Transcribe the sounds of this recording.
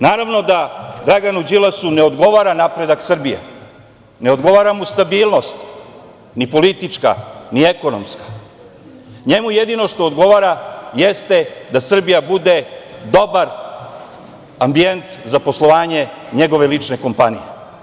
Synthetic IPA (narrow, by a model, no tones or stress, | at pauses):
naːɾaʋno̞d̪ad̪ɾaɡanud͡ʑilasuneod̪ɡo̞ʋaɾanapɾe̞d̪aksr̩bijḛ | ne̞o̞d̪ɡo̞ʋaːɾamust̪abiːlno̞st̪ | nipo̞lit̪it͡ʂka̰nieko̞nomskḁ | ɲe̞mujed̪ino̞ʂt̪o̞ːd̪ɡo̞ʋaɾajest̪e̞d̪asr̩bijabud̪e̞d̪o̞baɾ | ambie̞nt̪zapo̞slˠo̞ʋaːɲe̞ɲe̞ɡo̞ʋe̞lit͡ʂne̞ko̞mpanijḛ